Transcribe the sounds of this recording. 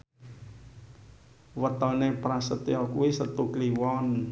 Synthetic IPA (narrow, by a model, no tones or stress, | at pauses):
wət̪ɔnepɾasət̪iɔkuwisət̪ukliwɔn